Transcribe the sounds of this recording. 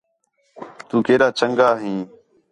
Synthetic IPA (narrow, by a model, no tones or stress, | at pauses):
t̪uːkeːɾaːt͡ʃəŋɡaːɦĩː